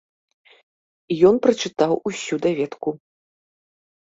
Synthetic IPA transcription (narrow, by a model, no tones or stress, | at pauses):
ijɔnpɾɐt͡ʂɨt̪awʔusʲud̪avʲɛt̪ku